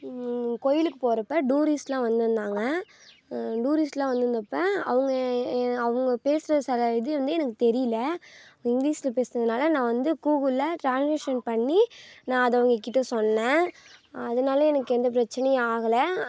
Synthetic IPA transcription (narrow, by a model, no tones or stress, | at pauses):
kɔjɪlɯkːɯpoːɾɐpːɐɖuːɾisʈlãːʋɐnd̪ɯɾɯnd̪aːŋɡɐ | ɖuːɾisʈlãːʋɐnd̪ɯɾɯnd̪ɐpːɐ̃ɐ̰ʋɐŋɡɐɐʋɐŋɡɐpeːsɾɐsɐlɐɪðɯʋɐnd̪ɯɛnɐkːɯt̪ɛɾɪjɪlɐɪŋɡliːslɐpeːsɯɾɐðɯnaːlɐnãːʋɐnd̪ɯkuːɣɯlɐʈɾãːnsmɪʂɐnpɐɳːinãːɐðɐʋɐŋɡɐkːɪʈːɐsɔnːẽ | ɐðɐnaːlɐɛnɐkːɯɛnd̪ɐp̬ɪɾɐt͡ʃːɪnɛjɐ̃aːɣɐlɐ